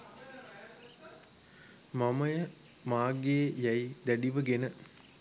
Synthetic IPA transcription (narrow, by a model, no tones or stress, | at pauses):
maməjə | maːɡeːjæjd̪æɖiʋəɡenə